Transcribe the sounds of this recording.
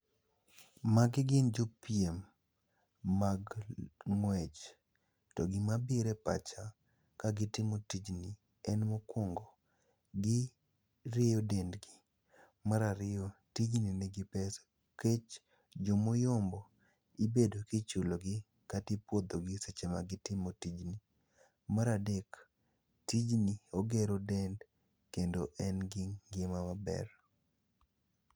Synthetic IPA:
maɡɪɡɪnd͡ʒopjem | aɡŋwɛt͡ʃ | tɔɡɪmabiɾɛpa̰t͡ʃa | kaɡɪtɪmotid͡ʒni | ɛnmokɔŋɡo | ɡɪ | ɾejodendɡɪ | maɾaɾɪjotid͡ʒninɛɡɪpɛso̥ | ket͡ʃ | d͡ʒomojɔmbɔ | ibedokɪt͡ʃuloɡɪ | katɪpwod̪oɡɪset͡ʃema̰ɡɪtɪmotid͡ʒni | maɾadek | tid͡ʒnioɡeɾodɛnd | kendoʔɛnɡɪŋɡɪmamabɛ̰r

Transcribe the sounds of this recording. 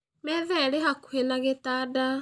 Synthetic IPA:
mɛðɛɾeɦakuhenaɣetaːda

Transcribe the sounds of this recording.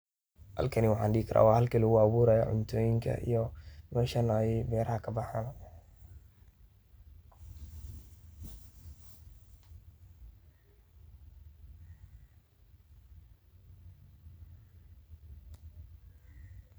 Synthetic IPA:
hɐ̰lkʰɐniwɑħaːnɖɪiːɪkʰɐɾʔa̰ːwɑhɐlkʰilʊɣʊɑβuːɾaːjɔ̰ʕʊ̰nt̪ʰoːjɪŋkʰɐ̰ʔḭjɔmɛːʃɐnːjɛjbɛːɾɐhɐkʰɐbɑħaːn

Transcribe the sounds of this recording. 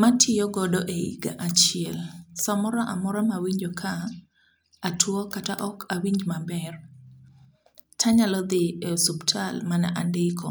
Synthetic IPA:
matʰɪjɔɡɔdɔʔeḭɡa̰ʔat͡ʃɪɛlsamɔɾaʔa̰mɔɾamawiɲd͡ʒɔkʰaː | tʰwɔkataʔɔkʰawiɲd͡ʒmabɛr | tʰaɲalɔd̪ɪsubtʰalmana̰ʔandɪkʰɔ̰

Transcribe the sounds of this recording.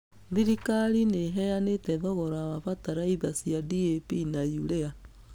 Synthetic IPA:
ðiɾikaɾineɦɛjanetɛðɔɣɔɾaβaβataɾaiðasjadiepinajuɾɛa

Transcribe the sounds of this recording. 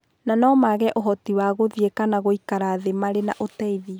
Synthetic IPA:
nanɔmaɣɛʔoɦɔtiwaɣoðiekanaɣoikaɾaðemaɾena̰ʔotɛiði

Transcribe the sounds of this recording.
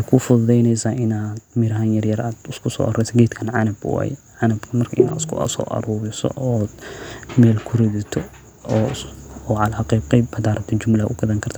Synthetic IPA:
ɛkʰʊfʊððɛjnɛjsaːʔɪnaːd̪̥mɪɾɐhaːnjɐrjɐɾaːd̪ʊskʰʊsɔ̰ːʔɐɾɛjsɐɡɛːt̪kʰɐnʕanɐbwa̰ːj | ʕanɐbkʰɐmɐrkʰɐɪna̰ːd̪ʊskʰʊ̰ɐ̰sɔ̰ːʔɐ̰ɾuːɾɪsɔ̰ʔɔːd̪mɛːlkʰʊrɛðɪt̪ʰɔ | ɔɔːʕɑlaɑqɛːqɛjbɐd̪aːɾɐt̪ʰɐd͡ʒʊmlɐʔʊɡɐðɐŋkʰɐrt̪ʰaː

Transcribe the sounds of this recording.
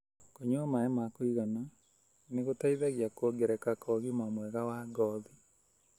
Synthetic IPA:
koɲwamaɛmakoiɣana | neɣotaiðaɣjakoɡɛɾɛkakɔɣimamwɛɣawaɡɔði

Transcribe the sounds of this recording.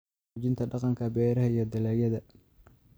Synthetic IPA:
t͡ʃɪnt̪ʰɐɖɑqɑŋkʰɐbɛːɾɐɦɐijɞd̪ɐlæːjɐðɐ

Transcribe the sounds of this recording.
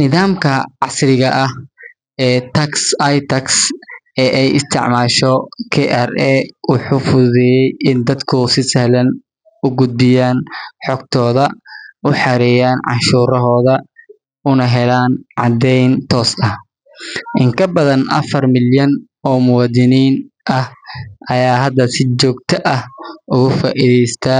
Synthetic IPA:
nɪðaːmkʰɐʕɑsrɪɣɐʔɐh | ɛːt̪ʰɐksɐjt̪ʰɐks | ɛːʔɛjɪst̪ʰɪ̰ʕmaːʃɔkʰɛʔɛrɛʊħʊfʊðɪjɛjɪnd̪ɐd̪kʰʊsɪsɛhlɐn | ʊɡʊd̪̚bɪjaːnħɔɡ̚t̪ʰɔːðɐʔʊħɑɾɛjaːnʕɑ̰ʃuːɾɔɦɔːðɐ | ʊnɐɦɛlaːnʕɑ̰d̪ɛjnt̪ʰɔːsɐh | ʔɪŋkʰɐbɐðɐnʔɐ̰fɐrmɪljɐn | ɔːmʊwaːd̪ɪniːnʔɐhʔɐjaːɦɐd̪ɐsɪt͡ʃɔːɡ̚t̪ʰɐʔɐhʔʊɣʊfa̰ːʔiðɛjst̪ʰaː

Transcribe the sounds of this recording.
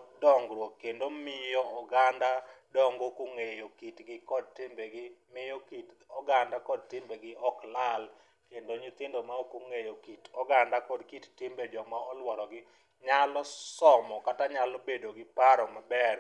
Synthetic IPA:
dɔŋɡɾwokːendomɪjɔɔɡandadɔŋɡokuŋejokitɡɪkɔd̚tɪmbeɡɪmɪjɔkitɔɡandakɔd̚tɪmbeɡɪɔklal | kendoɲit̪ɪndomaokuŋejokitɔɡandakɔdkittɪmbed͡ʒɔmaɔlwɔɾɔɡɪ | ɲalɔsɔmɔkataɲalobedoɡɪpaɾɔmabɛr

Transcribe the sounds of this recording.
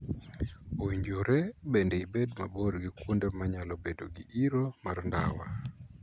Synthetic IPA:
owiɲd͡ʒoɾebendɛibedmaboɾɡikwondemaɲalɔbedo̰ɡiʔiɾomarndawa̰

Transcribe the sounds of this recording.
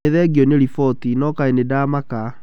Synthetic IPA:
eðɛɡjɔneɾifɔtinɔkaenedaːmaka

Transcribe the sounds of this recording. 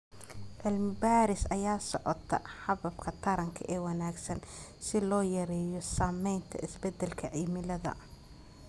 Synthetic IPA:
ʔɐlmbaːɾɪsɐjaːsɔʕɔt̪ʰɐ̰ħɑβɐb̚kʰɐt̪ʰɐɾɐŋkʰɐʔɛːwɐnaːɡsɐnsɪlɔːjɐɾɛjɔsaːmɛjnt̪ʰɐ̰ʔɪsbɛd̪ɛlkʰɐʕimɪlɐðɐ̰

